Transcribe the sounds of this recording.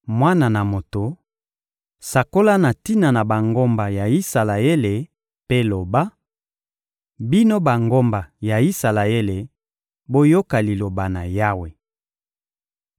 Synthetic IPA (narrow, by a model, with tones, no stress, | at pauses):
mwa˦na˨na˨mo˨to˨ | sa˨ko˦la˦na˨ti˦na˨na˨ba˨ŋɡo˦mba˨ja˨i˦sa˨la˨e˦le˨ | pe˦lo˨ba˦ | bi˦no˦ba˨ŋɡo˦mba˨ja˨i˦sa˨la˨e˦le˨ | bo˦jo˦ka˨li˨lo˨ba˨na˨ja˦we˨